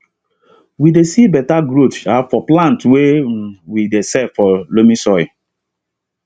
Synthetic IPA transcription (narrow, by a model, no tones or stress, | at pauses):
widesibɛtaɡɹotsafɔplãntwewidesɛfɔlomĩsɔɪ